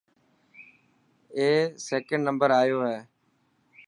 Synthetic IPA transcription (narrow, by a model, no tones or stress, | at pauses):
eːseːkə̃ɳɖnəmbəɾaːjoːɦɛː